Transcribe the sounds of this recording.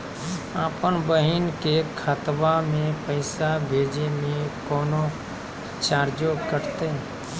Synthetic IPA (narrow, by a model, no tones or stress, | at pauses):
aːpənbəɦɪnkekʰət̪wamẽpəɪsabʱeːd͡ʒemẽkɔːno | t͡ʃaːɾd͡ʒokəɾt̪e